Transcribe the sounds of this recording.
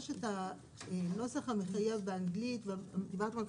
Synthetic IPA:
ʃeta | eno̞saχameχajevbeaŋɡlitvaamt̪ivat̪mak

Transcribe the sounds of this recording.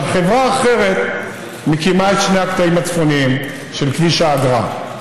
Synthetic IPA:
χe̞vʁaːχe̞ʁe̞t̪ | mekimaet̪ʃneakt̪aimat͡sfo̞nim | ʃe̞lkviʃaːɡʁa̰

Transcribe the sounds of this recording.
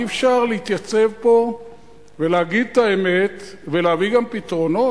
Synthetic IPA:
efʃaʁlehit̪jat͡se̞vpo̞ | ve̞leaɡid̪̚t̪aeme̞t̪ | veleaviɡampit̪ʁo̞no̞

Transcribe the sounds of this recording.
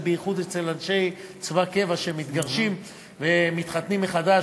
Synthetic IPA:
beiχud̪et͡se̞lanʃe̞jt͡svake̞vaʃeemit̪ɡaʁʃim | vemit̪χat̪nimːeχada

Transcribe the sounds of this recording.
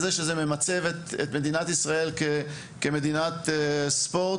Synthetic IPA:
zeʃezememat͡sevet̪et̪me̞d̪inat̪isʁae̞lke | keme̞d̪inat̪espo̞

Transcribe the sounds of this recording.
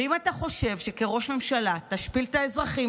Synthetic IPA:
imat̪aχo̞ʃe̞vʃe̞ke̞ʁo̞ʃme̞mʃalat̪aʃpilt̪aezʁaχi

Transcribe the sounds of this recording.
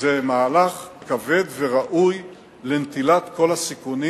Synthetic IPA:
zemaːlaχkave̞d̪veʁaʔuj | lent̪ilat̪kʰo̞lasikuni

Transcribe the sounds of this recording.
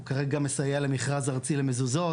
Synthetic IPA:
kaʁeɡamesajale̞miχʁazaʁt͡silemezuzo̞

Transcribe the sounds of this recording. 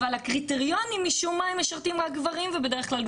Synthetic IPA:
valhakʁiteʁjo̞nimːiʃummaimːeʃaʁt̪imʁak̚ɡvaʁimvebe̞d̪eʁeχklal

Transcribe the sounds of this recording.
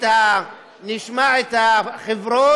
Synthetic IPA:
ta | niʃmaʕet̪aχevɾo

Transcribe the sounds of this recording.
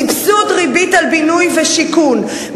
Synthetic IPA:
ipsut̪ʁibitalbinujveʃikun

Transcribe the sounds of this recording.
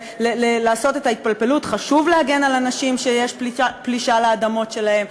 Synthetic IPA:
lelelaːso̞te̞tait̪̚palpe̞lutχaʃuvleaɡe̞nalanaʃimʃejeʃpliapliʃaleadamo̞tʃe̞lahe̞m

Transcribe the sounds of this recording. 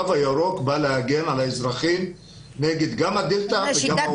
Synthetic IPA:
avajaɾokbalehaɡenʕalaezɾaχim | neɡed̪ɡamad̪ilt̪avea

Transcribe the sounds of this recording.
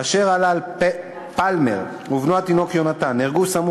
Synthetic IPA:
aʃe̞ʁalal | palmḛʁ | uvnuat̪ino̞kjo̞nat̪aniʁɡuvsamu

